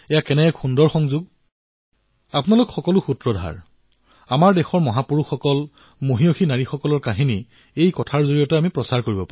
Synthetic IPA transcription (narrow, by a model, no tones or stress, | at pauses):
ɛjakɛnɛkxundɔɹxɔŋzuɡ̚ | apʊnalʊkxɔkɔlʊxutɹɔdʱa̰ɹ | amaɹdexɔɹmɔɦapuɹuxɔkɔl | moɦioxinaɹixɔkɔlɔɹkaɦini | ejkɔtʰaɹzoɹijɔtɛamipɹɔsaɹkoɹibɔpaɹ